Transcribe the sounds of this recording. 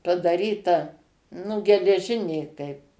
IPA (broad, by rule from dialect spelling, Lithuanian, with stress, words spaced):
pɐdɐˈrʲiːtɐ nʊ ɡʲɛlʲɛˈʒʲɪnʲeː kɐɪp